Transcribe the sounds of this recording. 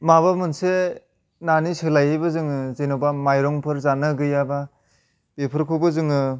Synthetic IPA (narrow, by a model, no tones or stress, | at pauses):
maβamɯnse | nanisɯlajebɯzɯŋɯzenɔwbamajɾɔŋpʰɯɾzanɯɡɯjaba | b̥epʰɯɾkʰubɯzɯŋɯ